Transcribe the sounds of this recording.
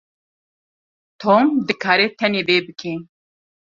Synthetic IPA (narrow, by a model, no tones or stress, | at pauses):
t̪ʰoːmd̪ɨkʰaːɾɛt̪ʰɛneːveːbɨkʰi